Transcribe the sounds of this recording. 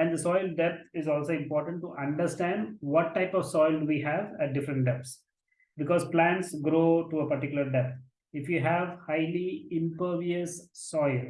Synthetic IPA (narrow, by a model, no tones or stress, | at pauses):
ɛ̃nɖd̪əsɔɪlɖɛp̚t̪ʰɪzɔːlsoːɪ̃mpɔːɾʈə̃ɳʈ̚ːuʔɐ̃ɳɖəɾsʈæ̃ɳɖʋɔːʈːaɪpɔʋsɔɪlɖuʋiːɦæʋæɖɪfɾə̃ɳʈ̚ɖɛps | bɪkɔːzplæ̃ɳʈsɡɾoːʈuəpɐɾʈɪkjʊləɾɖɛp̚t̪ | ɪfjuːɦæʋhaɪliɪ̃mpəɾʋiəsːɔɪl